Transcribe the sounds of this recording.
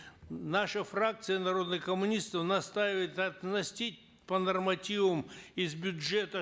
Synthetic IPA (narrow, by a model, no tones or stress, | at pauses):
naʂəfrak̚t̪sɨjənɐɾo̞d̪nɨxkəmʊnʲist̪əfnɐst̪aɪvəjɪt̪ɐt̪nɐsʲtʲit̚ʲ | pənɐrmɐtʲivəmɪzbʲʊʐɛt̪ə